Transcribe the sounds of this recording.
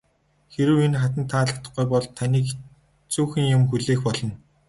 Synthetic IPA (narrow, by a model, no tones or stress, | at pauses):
xeɾɘ̆wenχat̪ə̆nt̪ʰːaːɮə̆t̪ə̆χɡujpɔɮt̪ʰaniːk | t͡suːxɘ̆ŋjʊmxuɮeːxpɔɮɞ̆n